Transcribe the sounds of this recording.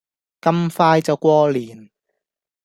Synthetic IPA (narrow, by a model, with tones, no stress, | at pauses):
kɐ˥mfaː˧jt͡sɐ˨˩wkʷɔː˧liː˨˩n